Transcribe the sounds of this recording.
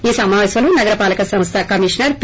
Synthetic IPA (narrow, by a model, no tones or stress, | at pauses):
iːsɐmaːʋeːsɐlunɐɡɐɾɐpaːlɐkɐsɐmst̪ʰɐkɐmiːʂnɐɾp